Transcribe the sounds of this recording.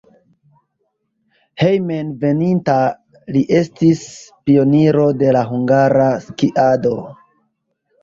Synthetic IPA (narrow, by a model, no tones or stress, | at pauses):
he̞jmenve̞ninta | liʔe̞stispio̞niɾo̞de̞laɦuŋɡaɾaskiʔado̞